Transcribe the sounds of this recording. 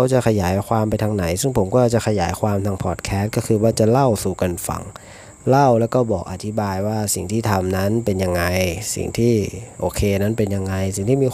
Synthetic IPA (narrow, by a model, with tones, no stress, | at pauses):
wt͡ɕa˨˩kʰa˧jaː˩˦jkʰwaː˧mpa˧jt̪ʰa˧ŋna˩˦jsɯ˥˩ŋpʰo˩˦mkɔː˥˩˨t͡ɕa˨˩kʰa˧jaː˩˦jkʰwaː˧mt̪ʰaː˧ŋpʰɔː˨˩t̪̚kʰɛː˦˥t̪̚kɔː˥˩kʰɯː˧waː˥˩t͡ɕa˨˩la˥˩wsuː˨˩ka˧nfa̰˨˩˦ŋ | la˥˩wlɛː˦˥wkɔː˥˩bɔː˨˩k̚ʔa̰˨˧˩t̪ʰi˦˥baː˧jwaː˥˩si˨˩ŋt̪ʰiː˥˩t̪ʰa˧mna˦˥npe˧nja˧ŋːa˧jsḭ˨˩ŋt̪ʰiː˥˩ʔoː˧kʰeː˧na˦˥npe˧nja˧ŋːa˧jsi˨˩ŋt̪iː˥˩miː˧